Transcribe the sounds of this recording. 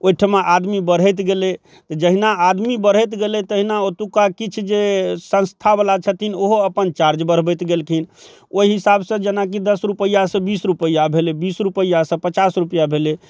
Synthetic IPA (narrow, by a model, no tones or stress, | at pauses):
ojʈʰəmeʔad̪mibəɾ̤ɛt̪ɡele | t̪ɔd͡ʒəɦinaad̪mibəɾ̤ɛjt̪ɡelet̪əɦinaot̪ukakit͡ʃʰd͡ʒesə̃nst̪ʰabalat͡ʃʰət̪inoɦoəpənt͡ʃaɾd͡ʒbəɾ̤bɛjt̪ɡelkʰin | oiɦisabsə̃d͡ʒənak̬id̪əsɾupəjːasə̃bisɾupəjːabʱelebisɾupəjːasə̃pət͡ʃasɾupjabʱele